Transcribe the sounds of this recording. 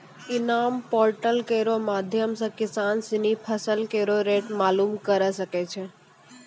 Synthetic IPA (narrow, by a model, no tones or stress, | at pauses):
ɪnampɔːɾʈəlkeɾomad̪ʱjəmsəkɪsansinipʰəsəlkeɾoɾeʈmaːlumkəɾəʃəket͡ʃʰe